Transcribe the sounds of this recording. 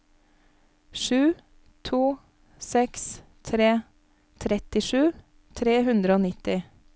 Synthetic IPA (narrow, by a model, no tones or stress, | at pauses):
ʃʉː | t̪ʰuː | sɛkst̪ʰɾeː | t̪ʰɾɛt̪ɪʃʉː | t̪ʰɾeːhʉnd̪ɾəoːnɪt̪ɪ